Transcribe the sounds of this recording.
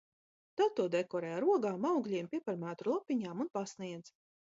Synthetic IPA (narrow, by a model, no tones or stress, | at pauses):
t̪at̪ːuɔd̪ɛkɔɾɛjaɾuɔɡaːmawɡlʲiɛmpʲiɛpaɾmæːt̪ulˠɔpʲːiɲaːmunpasniɛd̪z